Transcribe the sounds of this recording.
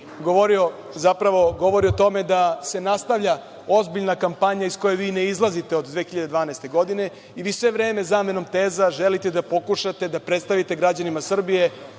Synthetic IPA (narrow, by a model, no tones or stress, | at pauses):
ɡoʋoɾio | zapɾaʋo̞ɡo̞ʋo̞ɾiot̪o̞me̞d̪ase̞nast̪avʎa | o̞zbiʎnakampaɲaisko̞jeʋiːneizlˠazit̪e̞od̪d̪ʋeːxiʎad̪ed̪ʋaːnaest̪e̞ɡo̞d̪ine̞ | iʋiːsʋe̞ʋɾeːme̞zaːme̞no̞mt̪eːzaʒelit̪e̞d̪apo̞kuʃat̪ed̪apɾe̞t̪st̪aʋit̪e̞ɡɾad͡ʑanimasr̩bije̞